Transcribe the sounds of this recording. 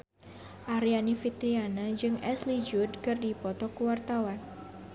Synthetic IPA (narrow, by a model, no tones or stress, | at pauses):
ʔaɾianifit̪ɾianad͡ʒɨŋɛslid͡ʒʊdkɨrdipɔt̪ɔkuwart̪awan